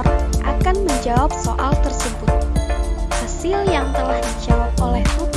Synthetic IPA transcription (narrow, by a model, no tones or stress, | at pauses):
rʔa̰kanməɲd͡ʒawap̚so̰ʔalt̪ərsəbʊt̪̚ | hasɪljaŋt̪əlahdid͡ʒawap̚olɛhu